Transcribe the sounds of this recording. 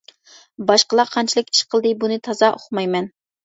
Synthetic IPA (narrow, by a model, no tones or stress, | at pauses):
bɑʃqəlˠɑqʰɑnt͡ʃʰilˠɨkʲi̥ʃqʰəlˠd̪ɨbunɨt̪ʰɑzɑʔoχmɑjmɛn